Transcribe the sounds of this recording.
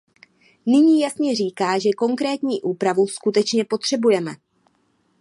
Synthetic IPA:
nɪɲiːjasɲɛriːkaːʒɛko̞ŋkɾɛːt̪ɲiːʔuːpɾavuskut̪ɛt͡ʃɲɛpo̞t̪r̝̥ɛbujɛmɛ

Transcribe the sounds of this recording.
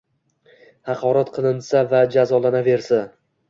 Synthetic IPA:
hɑqʰɒɾat̪qʰɨnɨnsavad͡ʒazɒlˠanave̞ɾsa

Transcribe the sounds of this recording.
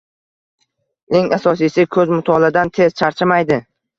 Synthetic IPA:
e̞ŋasɒsijsɪkʰɵzmʊt̪ʰɒlad̪ant̪ʰe̞z̥t͡ʃʰaɾt͡ʃʰɪmajd̪ɪ

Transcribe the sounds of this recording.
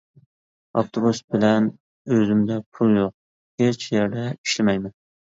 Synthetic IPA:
ɑft̪ʰobusbɪlɛn | øzɪmd̪ɛpʰulˠjoq̚ | het͡ʃjeɾd̪ɛi̥ʃlɪmɛjmɛn

